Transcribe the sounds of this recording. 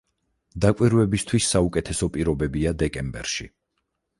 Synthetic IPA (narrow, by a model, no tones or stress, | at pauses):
d̪akʼwiɾvɛbist̪ʰwisːaukʼɛt̪ʰɛsɔpʼiɾɔbɛbiad̪ɛkʼɛmbɛ̰ɾʃḭ